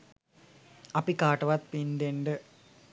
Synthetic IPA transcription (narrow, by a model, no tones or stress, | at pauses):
ɐpikːaːʈːɐʋɐt̪̚pind̪eɳɖɨ